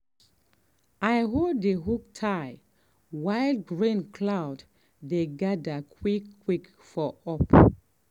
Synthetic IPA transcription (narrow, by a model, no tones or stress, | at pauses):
ajɦodeɦuk̚tʰaj | wajldɡɹĩnkʰlawd | deɡadakʰwikːwik | fɔɔp